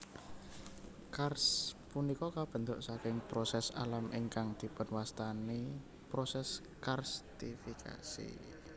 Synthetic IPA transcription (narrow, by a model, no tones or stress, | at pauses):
karspunikɔkab̥ə̤nt̪ʊʔsakɪŋpɾɔsɛsa̰lamʔiŋkaŋd̪̥i̤pʊnwast̪ani | pɾosɛs | karst̪ifikʰa̰sḭ